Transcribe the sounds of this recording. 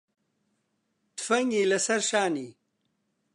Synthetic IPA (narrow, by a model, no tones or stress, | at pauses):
t̪fɐŋɡilɐsɐɾʂaːni